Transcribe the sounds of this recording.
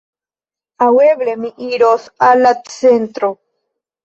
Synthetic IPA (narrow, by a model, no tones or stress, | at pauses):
aweβlemĩʔiɾosalasent̪ɾo